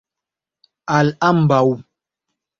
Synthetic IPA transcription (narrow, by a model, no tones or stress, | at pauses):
alam̩bawu